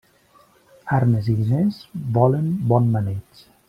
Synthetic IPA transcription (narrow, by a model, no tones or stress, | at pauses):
aɾneziðinezbɔlənbɔnmanet͡ʃ